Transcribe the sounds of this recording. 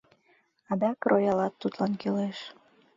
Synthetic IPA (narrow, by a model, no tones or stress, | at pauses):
ɑd̪ɑkrʔojɑlɑt̪ːut̪lɑnkøleʃ